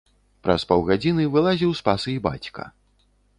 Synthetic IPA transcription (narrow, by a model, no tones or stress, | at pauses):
pɾʔɐ̰spawɣad͡zʲinɨvɨlˠazʲiwspasɨiba̰t͡sʲkɐ̰